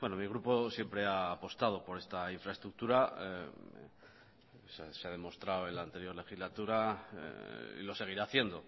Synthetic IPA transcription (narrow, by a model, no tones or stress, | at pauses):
bweno̞miɣ̞ɾupo̞sje̞mpɾe̞aːpo̞st̪að̞o̞po̞ɾe̞st̪aiɱfɾaest̪ɾuk̚t̪uɾae | sseaðe̞mo̞st̪ɾawe̞laːnt̪e̞ɾjo̞ɾle̞xizlat̪uɾa̰ | ḭlo̞se̞ɣ̞iɾaːθje̞nd̪o̞